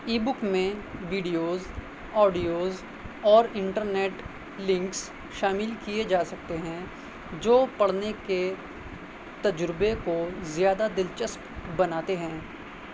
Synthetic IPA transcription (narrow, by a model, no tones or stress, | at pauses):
iːbʊkmẽʋiːɖijoːz | ɔːɖijoːz | ɔːɾɪ̃ɳʈəɾneːʈ | lɪ̃ŋks | ʃaːmɪlkied͡ʒaːsɐk̚t̪eɦɛ̃ː | d͡ʒoːpɐɽneke | t̪ɐd͡ʒɾɪbekozjaːd̪ad̪ɪlt͡ʃəspbɐnaːt̪eɦɛ̃ː